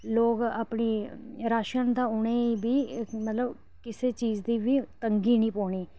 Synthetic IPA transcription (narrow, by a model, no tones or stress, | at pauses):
loːkaːpɳiːɾaːʃənd̪aːʊɳeːiːbiːmət̪ləb | kɪseːt͡ʃiːd͡ʒd̪iːʋiːt̪əŋɡiːnĩːpoːɳiː